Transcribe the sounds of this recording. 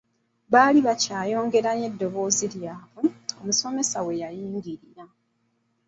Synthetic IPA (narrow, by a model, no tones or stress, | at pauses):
βaːliβacaːjo̞ːŋɡe̞ɾanje̞dːo̞βo̞ːziɾjaːβuo̞muso̞me̞sawe̞jajiːŋɡiɾiɾa